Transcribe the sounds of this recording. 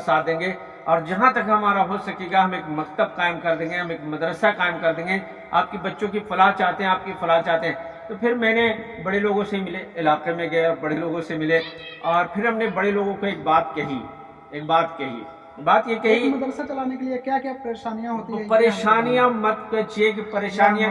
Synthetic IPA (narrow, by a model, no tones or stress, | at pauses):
saːd̪ẽːŋɡe | ɔːɾd͡ʒɐɦãt̪ɐkɦɐmaːɾaɦoːsɐkiɡaɦɐmeːkmɐkt̪əb̚qaːɪmkɐɾd̪ẽːŋɡẽɦɐmeːkmɐd̪ɾəsakaːɪmkɐɾd̪ẽːŋɡe | a̰ːp̚kibɐtːʃõkifɐlaːɦt͡ʃaːɦt̪eɦɛ̃aːp̚kifɐlaːt͡ʃaːɦt̪eɦɛ̃t̪opʰɪɾmɛ̃ːnebɐɽeloːɡõseimɪleɪlaːqemẽɡɐeɔːɾbɐɽeloːɡõsemɪleɔːɾpʰɪɾɦɐmnebɐɽeloːɡõkoeːk̚baːt̪kɐɦḭ | eːk̚baːt̪kɐɦḭ | baːt̪jekɐɦimɐd̪ɾsat͡ʃɐlaːnekeliekjaːkjaːpɐɾeːʃaːnijãɦoːt̪iɛ̃pɐɾeːʃaːnijãmɐt̪kɐt͡ʃiek̬ipɐɾeːʃaːnijã